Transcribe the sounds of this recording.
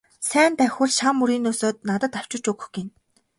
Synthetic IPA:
sæːnt̪æxʲuɮʃamːuɾiːnːuːsoːt̪̚nat̪ə̆t̪aw̥t͡ɕʊ̆t͡ɕɵɣɵ̆xɡin

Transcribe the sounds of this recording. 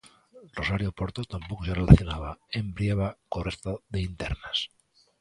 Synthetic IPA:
rrosaɾjopoɾt̪ot̪ampokoserelaθjonaβ̞aembɾiaβ̞akorest̪aðeint̪eɾnas

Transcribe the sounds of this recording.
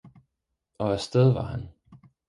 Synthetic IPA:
ɒ̽æsd̥eð̞ˠʋɑ̈hæn

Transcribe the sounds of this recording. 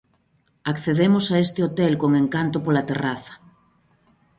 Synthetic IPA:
akθeðemosaest̪ɪot̪elkoŋeŋkant̪ʊpolat̪eraθɐ̥

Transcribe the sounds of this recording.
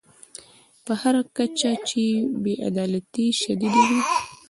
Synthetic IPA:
pəhaɾakat͡ʃat͡ʃebeʔa̰d̪ɑlat̪iʃad̪id̪awi

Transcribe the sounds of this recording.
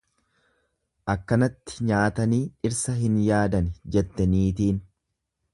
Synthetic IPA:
ʔɐkːɐnɐt̪ːɪ̥ɲaːt̪ɐniːɪɾsɐɦɪnjaːd̪ɐnd͡ʒɛt̪ːɛniːt̪iːn

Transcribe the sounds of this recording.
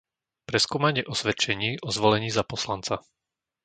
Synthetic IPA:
pɾɛskuːmaɲɪɛʔɔsʋɛt͡ʃɛɲiːʔɔzʋɔlɛɲiːzapɔslant͡sa

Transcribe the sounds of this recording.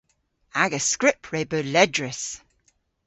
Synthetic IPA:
aɡəskɹɪpʰɹeɪbəːlɛdɹəs

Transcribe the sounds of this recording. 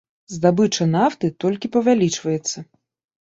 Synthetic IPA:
zd̪abɨt͡ʂɐnaft̪ɨt̪ɔlʲkʲipɐvʲalʲit͡ʂvɐjɛt̪sːɐ

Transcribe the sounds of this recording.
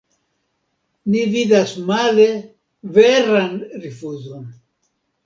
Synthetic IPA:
nividasmale̞ | veɾanɾifuzo̞n

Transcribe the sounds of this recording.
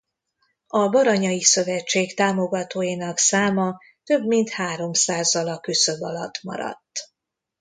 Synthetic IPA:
ɒbɒɾɒɲɒjisø̞vɛt͡ʃːeːkt̪aːmo̞ɡɒt̪oːjinɒksaːmɒ | t̪ø̞bmint̪haːɾo̞msaːzːɒlɒkːøsø̞bɒlɒt̪ːmɒ̰ɾɒ̰t̪ː

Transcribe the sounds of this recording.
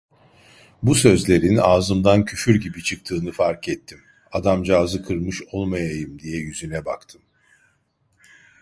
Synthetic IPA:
busø̞zlʲe̞ɾinaːzɯmd̪ancʰyfyɾɟibit͡ʃʰɯk̚t̪ʰɯːnɯfaɾkɛt̪ʰːim | ad̪amd͡ʒaːzɯkʰɯɾmɯʃo̞lˠmajajɯmd̪ijɛjyzynɛba̰kt̪ʰɯm

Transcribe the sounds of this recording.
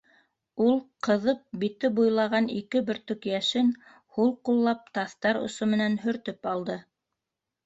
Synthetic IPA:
ulˠqɤ̆ðɤp̚bit̪ɘbujlˠɑʁɑnikɘbɵ̆ɾt̪ɵkjæʃɘn | hulˠqulˠːɑp̚t̪ɑθt̪ɑɾŏ̰somɘ̆nænhɵ̆ɾt̪ɘpɑlˠd̪ɤ

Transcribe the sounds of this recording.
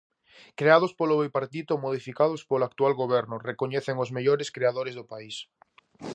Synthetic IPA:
kɾeaðʊspoloβejpaɾt̪it̪ʊmoð̞ifikað̞ospolakt̪ualɣoβɛɾnʊrekoɲɛθeŋʊzmeʎoɾeskɾeaðoɾezðopais

